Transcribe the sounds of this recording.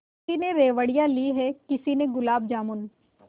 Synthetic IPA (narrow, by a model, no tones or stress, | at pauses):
ineɾeːʋəɽijãliɦɛkɪsineɡʊlaːb̚d͡ʒaːmʊn